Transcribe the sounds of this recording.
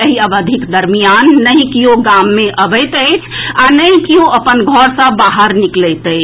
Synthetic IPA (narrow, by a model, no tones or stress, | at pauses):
əɦiəbəd̪ʱikd̪əɾmijanːəĩkioɡamːẽʔəbəɪt̪əɪt͡ʃʰanəĩkioʔəpənɡʱɔɾsə̃baɦəɾniklɛt̪əj